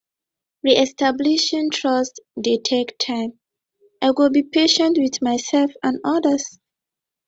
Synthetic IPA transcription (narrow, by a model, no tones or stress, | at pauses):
ɹiʔɛstʰabliʃĩntʰɹɔstditʰektʰãɪ̃m | ʔaɪwilbipʰeʃə̃ntwiθmajsɛlfãnɔdəs